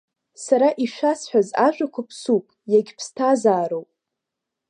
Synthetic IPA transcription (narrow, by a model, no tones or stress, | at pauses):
saɾaʔiʃʷᶣasħʷᶣazaʒᶣʷʼakʷʰapʰsupʼjaɡʲpʰstʰazaːɾowpʼ